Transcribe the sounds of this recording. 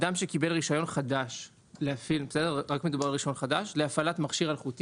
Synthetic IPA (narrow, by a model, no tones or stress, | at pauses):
damʃe̞kibe̞lʁiʃajo̞nχadaʃ | leafilbesedeʁʁakme̞d̪ubaʁlʁiʃao̞nχadaʃleafalat̪maχʃiʁalχut̪i